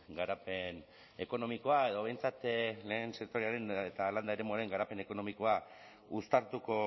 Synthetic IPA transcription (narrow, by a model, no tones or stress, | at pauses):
ɡaɾape̞n | e̞ko̞no̞miko̞ae̞ð̞o̞β̞e̞jnt͡sat̪le̞ːnseɾt̪oɾiaɾe̞net̪aland̪aeɾe̞moaɾe̞ŋɡaɾape̞ne̞ko̞no̞miko̞a | ust̪aɾt̪uko̞